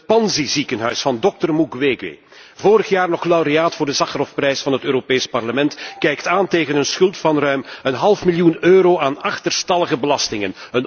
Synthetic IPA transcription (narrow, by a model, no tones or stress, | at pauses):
t̚pɑnzizikənɦœɥsfɑndɔk̚tərmukʋeːɡḛ | voːɾəxjaːrnɔχlawɾeaːtfʊːrdəzɑxərɔfprɛjsfɑnɦətøːɾopeːjspɑrləmɛntkɛjktaːnteːɣənənsxɵlˠtfɑnrœɥmənɦɑlˠfmiljunøːɾoːʔaːnɑxtərstɑləɣəbəlɑstɪŋənən